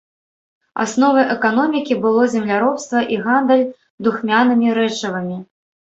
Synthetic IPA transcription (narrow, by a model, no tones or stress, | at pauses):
a̰snɔvɨʔɛkan̪ɔmʲikʲibɨlˠɔzʲɛmlʲaɾɔpst̪vɐʔiɣand̪ɛlʲ | d̪uxmʲanɨmʲiɾɛt͡ʂɐvɨmʲi